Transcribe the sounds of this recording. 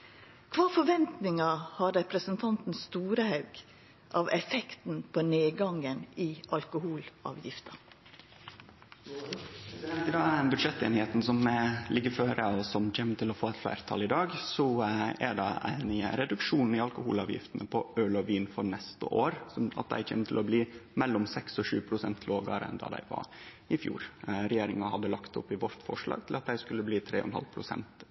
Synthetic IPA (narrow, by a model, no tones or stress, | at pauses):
kʰʋɑːfɔɾʋɛnt̪nɪŋɑhɑɾɾɛpɾəsənt̪ʰɑnt̪n̩st̪uːɾəhɑʉɡ̥ | ʔɑʋɛfɛkt̪n̩pʰoːneːɡɑŋənɪʔɑlkʊhuːlɑ̰ːʋjɪft̪ʰɑ | t̪əd̪ɑːbʉd̪ʂɛt̪ːeːnɪheːt̪n̩sɔmlɪɡːəɾføːɾəɔsɔmçɛmət̪ʰɪlɔfoːɛt̪flæ̰ːɾt̪ʰɑ̰lɪd̪ɑːɡsɔæɖɑæ̰ɪnəɾɛd̪ʉkʂuːnn̩ɪɑlkʊhuːlɑːʋjɪ̰ft̪ənəpʰɔøːlɔʋiːnfɔɾɳɛst̪ə̰ʔoːɾsɔɑ̰t̪̚d̪æ̰ɪçɛ̰mːət̪ʰɪlɔbliːmɛlːɔmsɛksɔʂʉːpʰɾʊsɛnt̪ʰloːɡɑ̰ɾəɛ̰nd̪ɑ̰ːd̪æ̰ɪʋɑ̰ɾ | ɪfjṵːɾɾɛjeːɾɪŋɑhɑd̪ːəlɑkt̪ʊpːɪʋɔɾt̪fɔ̰ʂɭɑ̰ːɡ̚t̪ʰɪlɑt̪̚d̪æɪskʉlːəbliːt̪ʰɾḛːɔ̰nhɑ̰lpʰɾʊsɛ̰nt̪